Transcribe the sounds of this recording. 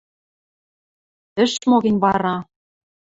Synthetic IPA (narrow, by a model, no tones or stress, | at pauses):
ɘ̆ʃmoɣɘ̆nʲβɑɾɑ